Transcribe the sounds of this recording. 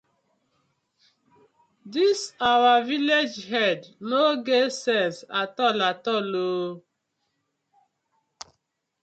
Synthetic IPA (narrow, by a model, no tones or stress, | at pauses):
disawaviled͡ʒɦɛdnoɡesɛsatɔlatɔlo